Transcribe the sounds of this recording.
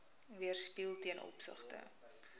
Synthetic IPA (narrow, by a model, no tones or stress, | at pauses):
viərspilˠtiənʔɔ̰psə̰χtə̰